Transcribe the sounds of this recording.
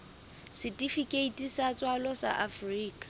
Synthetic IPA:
sɪtʼifikʼeitʼisat͡sʼwalɔsa̰ʔafriːkʼḁ

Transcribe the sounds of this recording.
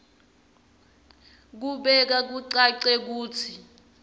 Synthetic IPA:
k̬uɓɛk̬ak̬uǀaǀɛk̬uːt͡sʰi

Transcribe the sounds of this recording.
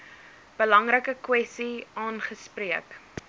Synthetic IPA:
b̥əlɐŋɾəkəkwɛsiɑːnχəspriək

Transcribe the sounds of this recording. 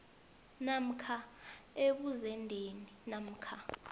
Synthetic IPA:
nam̩kʰaeɓuzɛndʱeninam̩kʰa

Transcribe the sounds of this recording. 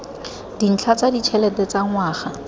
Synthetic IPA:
din̩t͡ɬʰat͡sadit͡ʃʰɛlɛtɛt͡saŋwaːχa

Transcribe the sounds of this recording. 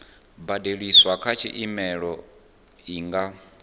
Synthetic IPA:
badeɺiswakʰat͡ʃʰḭʔimɛɺɔ | iːŋɡa

